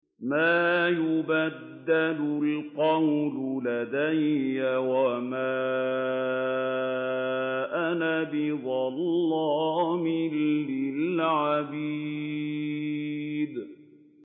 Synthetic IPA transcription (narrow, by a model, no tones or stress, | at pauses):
maːjʊbad̪ːalʊlqɑwlʊlad̪ajːawamaː | ʔanabɪd̪ˤɑlːɑːmɪlːɪlʕabiː | d̪